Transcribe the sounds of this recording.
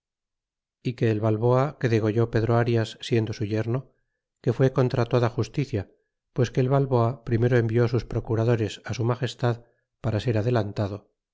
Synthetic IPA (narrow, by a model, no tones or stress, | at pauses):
ike̞ːlβalβo̞ake̞ðe̞ɣ̞o̞ʝo̞pe̞ðɾoaɾjasːjend̪o̞suʝe̞ɾno̞ | ke̞fwe̞ko̞nt̪ɾat̪o̞ðaxust̪iθja | pwe̞ske̞ːlβalβo̞apɾime̞ɾo̞e̞mbio̞suspɾo̞kuɾaðo̞ɾe̞sasumaχe̞st̪að | paɾase̞ɾaðe̞lant̪aðo